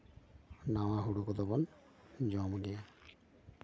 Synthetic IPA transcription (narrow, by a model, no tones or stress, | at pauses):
nawaɦuɽukɔd̪ɔbɔn | d͡ʒɔmɔdɛja